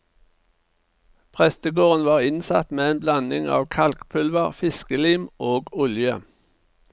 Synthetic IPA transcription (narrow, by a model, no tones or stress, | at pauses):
pʰʁɛst̪əɡoːʁənʋɑːʁɪnsɑt̪meːeːnblɑnɪŋɑ̰ːʋkʰɑlkpʰʉlʋəʁfɪskəliːmoːɡʊljə